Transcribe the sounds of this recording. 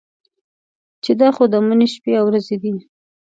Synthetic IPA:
t͡ʃed̪ɑxod̪əmuneʃpeawɾazed̪i

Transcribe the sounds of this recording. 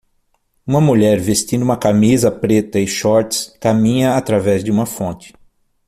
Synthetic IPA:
ũmɐmuʎɛɾvest͡ʃ̪ĩnd̪ʊuũmɐkamizɐpɾet̪ɐɪʃɔɾt͡ʃɪ̥skamĩɲɐːt̪ɾavɛzd͡ʒɪũmɐfõnt͡ʃɪ̥

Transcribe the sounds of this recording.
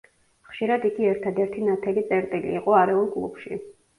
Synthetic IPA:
χʃiɾad̪iɡiɛɾt̪ʰad̪ɛɾt̪ʰinat̪ʰɛlit̪sʼɛɾt̪ʼilḭːqʼɔaɾɛulˠkʼlˠṵbʃḭ

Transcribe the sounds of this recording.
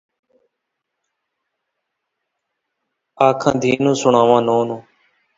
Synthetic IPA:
aːkʰã̰ːd̪ʱiːnũːsʊɳãːʋãːnoːnũː

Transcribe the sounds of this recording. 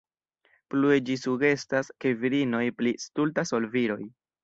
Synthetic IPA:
plued͡ʒisuɡe̞staske̞viɾino̞jplistultaso̞lviɾo̞j

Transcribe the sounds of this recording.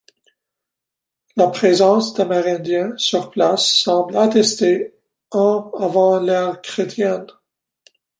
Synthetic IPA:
lapχezɑ̃sd̪emɛʁɛ̃d̪jɛ̃syʁplasːɑ̃blat̪ɛst̪e | ɑ̃avɑ̃lɛʁkχet̪ʰjɛn

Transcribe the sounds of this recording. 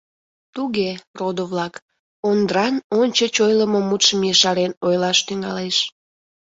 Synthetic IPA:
t̪uɣerod̪oβlɑk | ond̪ɾɑnonʲt͡ɕət͡ɕojləmomut̪ʃəmjəʃɑɾenojlɑʃt̪yŋɑleʃ

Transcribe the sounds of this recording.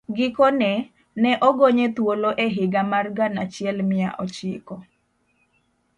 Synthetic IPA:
ɡɪkonɛ | nɛʔɔɡoɲet̪woloʔeɦɪɡamarɡanat͡ʃɪɛlmɪja̰ʔɔt͡ʃɪkɔ

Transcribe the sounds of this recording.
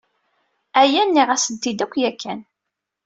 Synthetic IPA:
æjænːiʁæsənt̪ːid̪ækʷːjækʰːæn

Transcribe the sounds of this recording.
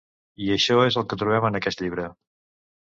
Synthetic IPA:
iəʃɔezəlˠkət̪ɾuβɛmənəkɛst̪ʎiβ̞ɾə

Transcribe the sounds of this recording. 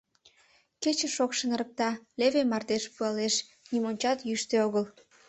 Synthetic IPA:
ket͡ɕə̆ʃokʃə̆nəɾək̚t̪ɑleβemɑrd̪eʃpuɑleʃ | nimonʲt͡ɕɑt̪jyʃt̪eoɣəl

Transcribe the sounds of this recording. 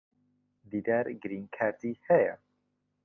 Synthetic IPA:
d̪id̪æɾɡɾinkʰæɾt̪ihɛjɛ̰

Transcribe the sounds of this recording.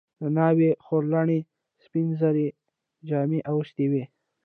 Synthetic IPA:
d̪̥ənɑwexoɾlaɳi | spinzaɾi | d͡ʒɑmiʔawəʃt̪iwe

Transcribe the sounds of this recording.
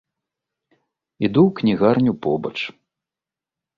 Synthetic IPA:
id̪uwknʲiɣarnʲupɔbɐ̰t͡ʂ

